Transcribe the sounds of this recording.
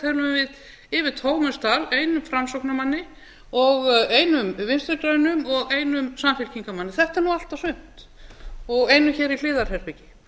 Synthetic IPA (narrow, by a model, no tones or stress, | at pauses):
ɛɾlʏvvɪð | ɪvɪt̪ʰoːwmɛ̥st̪aleːjnʏmfɾamsowknamanːɪ | ɔɣejnʏmvɪnst̪ʏɾkɾaːjnʏmɔɣeːjnʏmsamfɛl̥cʰiŋkamanːɪθɛht̪aɾnual̥t̪asʏn̥t̪ | ɔɣejnʏmçɛːɾil̥ɪːðaɾ̥hɛɾpɪcɪ̥